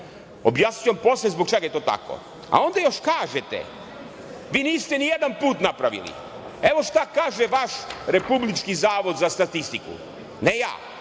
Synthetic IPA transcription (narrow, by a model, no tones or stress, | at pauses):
objasɲujempo̞slezbok̚t͡ʃeɡajet̪oːt̪a̰ko̰ | a̰o̞nd̪ajo̞ʃkaːʒet̪ḛ | ʋiːniːst̪enijed̪anpuːt̪napɾaʋḭlḭ | e̞ʋo̞ʃt̪akaːʒeʋaʃɾe̞publit͡ʃkizaːʋo̞d̪zast̪at̪ist̪ikṵ | neja̰ː